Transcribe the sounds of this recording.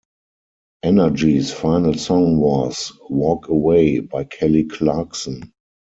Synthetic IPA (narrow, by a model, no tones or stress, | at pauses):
ʔɛnə˞d͡ʒisfaɪnəlsɔ̃ŋwɔswɔːkəweɪbaɪkʰɛlikʰlaksɔ̃n